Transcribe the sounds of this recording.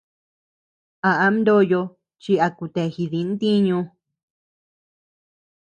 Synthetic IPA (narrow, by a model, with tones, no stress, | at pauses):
a˧˨ʔa˨˦md̪o˦jo˧ | t͡ʃi˧a˧ku˧t̪e˨xi˧ði˨˧˦n˦t̪i˦ɲũ˧